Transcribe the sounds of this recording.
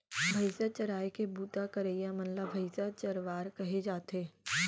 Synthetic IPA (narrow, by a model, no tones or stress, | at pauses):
bʱɐɪsat͡ʃɐɾaːjkebuːt̪akɐɾeːjamɐnlabʱɐɪsat͡ʃɐɾʋaːɾkɐɦed͡ʒaːt̪ɦeː